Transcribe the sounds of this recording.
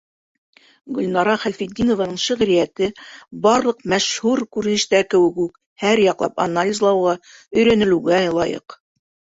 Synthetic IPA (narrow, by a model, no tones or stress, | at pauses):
ɡɵ̆lʲnɑɾɑχælfid̪̚ʲinŏvanɤɴʃɘ̆ʁɾijæt̪ɘbɑɾlˠɤqmæʃhuɾkʉɾnɘ̆ʃt̪ækɘ̆wɘkʉk | hæɾjɑqlˠɑ̰pɐ̰nalʲizlˠɑwʁɑ | ɵ̆jɾænɘ̆lʉɡæɤlˠɑjɤ̰q